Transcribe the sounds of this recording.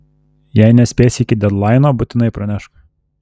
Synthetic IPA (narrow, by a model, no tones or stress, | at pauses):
jæɪnʲɛsʲpʲeːsʲɪkʲɪd̪ʲɛd̪lˠɑɪnoːbʊt̪ʲɪnɐɪpɾɐnʲæʃk